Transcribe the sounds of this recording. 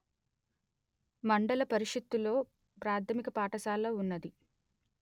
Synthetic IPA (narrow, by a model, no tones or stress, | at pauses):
mɐɳɖɐlɐpɐɾiʂɐt̪ːulo̞ː | pɾaːt̪ʰɐmikɐpaːʈɐsaːlːɐːunːɐd̪i